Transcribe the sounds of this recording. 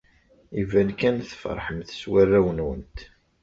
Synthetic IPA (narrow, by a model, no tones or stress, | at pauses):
ivænkænθfə̰ɾˤħəmθswærːæwənwənt̪